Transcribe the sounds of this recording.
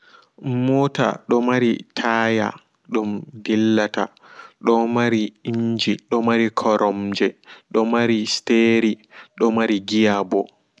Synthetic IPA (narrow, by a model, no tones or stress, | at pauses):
mɔːta̰ɗɔmaɾitʰaːja̰ | ɗumdilːata̰ | ɗɔmaɾiiɲd͡ʒiɗɔmaɾikʰɔɾʔɔmd͡ʒɛɗɔmaɾisteɾiɗɔmaɾiɡijabɔ